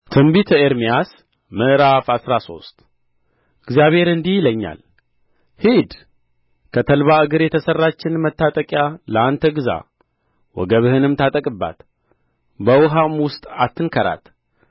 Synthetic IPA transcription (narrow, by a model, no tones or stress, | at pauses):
t̪ʰɨmbit̪ʰeɾmijas | mɨʔɾafasɾaso̞̰st̪ʼ | ɨɡzijaβhe̞ɾɨnd̪ihləɲːa̰l | hid̪ | kʰət̪ʰəlβaɨɡɨɾjɛt̪ʰəsərːat͡ʃːɪnmət̪ːat̪ʼəkʼjaləant̪ʰəɡɨza̰ | wɔ̰ɡəβɨhɨnɨmt̪ʰat̪ʼəkʼɨbːa̰t̪ | bəwʊɦamwʊst̪ʼat̪ːɨnkʰəɾa̰t̪